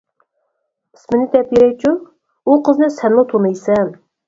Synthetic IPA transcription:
pʰɪ̥smɪnɪd̪ɛpjeɾɛjt͡ʃʰu | uqʰəznɨsɛnlˠɨt̪ʰunɨjsɛm

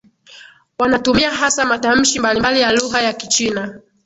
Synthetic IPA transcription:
wanatumiaɦasamatam̩ʃimbalimbalijaluɦajakit͡ʃina

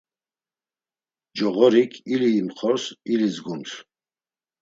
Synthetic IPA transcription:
d͡ʒɔʁɔɾikʰiliːmχʰɔɾsilizɡumsʰ

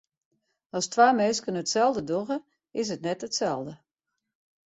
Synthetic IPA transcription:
ɔstʰʋaːmɛːskənətsɛlˠdədoɣə | ɪs̬ətnɛtətsɛlˠdə

